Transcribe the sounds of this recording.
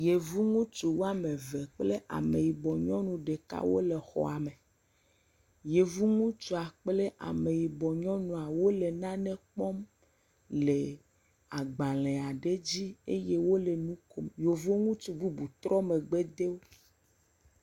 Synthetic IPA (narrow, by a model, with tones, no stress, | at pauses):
je˨vu˦ŋũ˦t͡ʃu˨wo˦a˦me˨ve˨k͡ple˦ʔa̰˨me˨ji˨bɔ˨ɲɔ̃˦nũ˨ɖe˨ka̰˦wo̰˦le˨xɔ̰˨a˨me˨ | je˨vu˦ŋũ˦t͡ʃu˨a˨k͡ple˦ʔa̰˨me˨ji˨bɔ˨ɲɔ̃˦nũ˨a˨wo˦le˨nã˦nɛ̃˦k͡pɔ˦m | le˨ | a˨ɡ͡ba˨lɛ˨a˨ɖe˦d͡ʑi˦e˦je˦wo˦le˨nũ˦ko˦mjo˨vo˦ŋũ˦t͡ʃu˨bu˦bu˨t̪ɾɔ˦me˨ɡ͡be˦d̪e˦wo˦